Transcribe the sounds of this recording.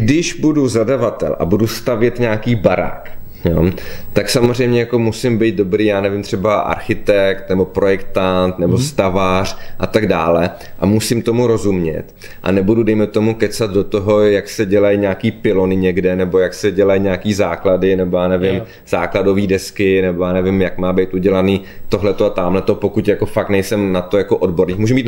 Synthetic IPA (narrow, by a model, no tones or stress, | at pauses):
ɡdɪʒbuduzadavat̪ɛ̰lʔa̰budust̪avjɛt̪ɲaːkiːbaɾa̰ːk | jo̰t̪aksamor̝ɛjmɲɛjako̞musɪmbijt̪̚do̞bɾiːjaːnɛvɪmt̪r̥ɛbaʔa̰ɾxɪt̪ɛkt̪nɛbo̞pɾo̞jɛkt̪ant̪nɛbost̪avar̝̥ʔat̪aɡdaːlɛ | ʔa̰musɪmt̪o̞muɾo̞zumɲɛ̰t̪ | ʔa̰nɛbududɛjmɛt̪o̞mukɛt͡sad̪dot̪oɦo̞jaksɛɟɛlajɲaːkiːpɪlo̞nɪɲɛɡdɛnɛbo̞jaksɛɟɛlajɲaːkiːzaːkladɪnɛbojaːnɛvɪm | z̥aːklado̞viːdɛskɪnɛbojaːnɛvɪmjakmaːbejt̪ʔuɟɛlaniːt̪o̞ɦlɛt̪oat̪aːmlɛt̪o̞pokuc̪jako̞fak̚t̪nɛjsɛmnat̪ojakoʔo̞dbo̞ɾniːxmuːʒɛmbit̪